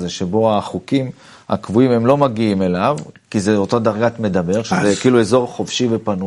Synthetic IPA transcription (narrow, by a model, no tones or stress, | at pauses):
zeʃebo̞aχukim | ha̰kvuime̞mlo̞maɡiime̞lavkizeotadaʁɡatme̞dabe̞ʁʃezekiːlue̞zo̞ʁχofʃive̞panu